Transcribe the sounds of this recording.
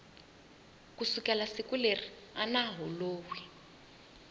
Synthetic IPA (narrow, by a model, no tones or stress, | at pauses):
kusukɛlasikuleri | anaɦɔloːwi